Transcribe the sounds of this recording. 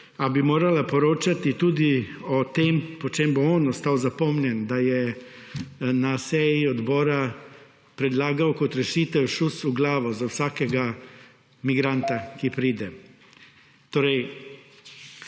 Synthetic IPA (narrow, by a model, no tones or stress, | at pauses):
abimoːɾalapɔɾoːt͡ʃat̪it̪uːd̪iɔt̪eːmpɔt͡ʃeːmboonɔst̪aːwzapɔmnʲjɛnd̪ajɛ | nasɛjiɔd̪bɔːɾa | pɾɛd̪laːɡawkɔt̪ɾɛʃiːt̪ɛwʃusuɡlaːʋɔzawsaːkɛɡa | miɡɾant̪akipɾiːd̪ɛ | t̪oːɾɛj